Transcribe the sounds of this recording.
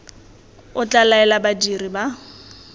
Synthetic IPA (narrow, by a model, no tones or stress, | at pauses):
ʊt͡ɬʼalaɛlabadiriba